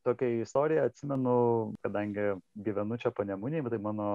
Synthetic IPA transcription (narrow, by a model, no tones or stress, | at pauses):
t̪oːkʲɛɪst̪oːɾʲɪjɛɐt̪ʲsʲɪmʲɛnʊkɐd̪ɐŋʲɡʲɪɡʲiʋʲɛnʊt͡ʃʲɛpoːnʲɛmʊnʲɛːt̪ɐɪmɑːnoː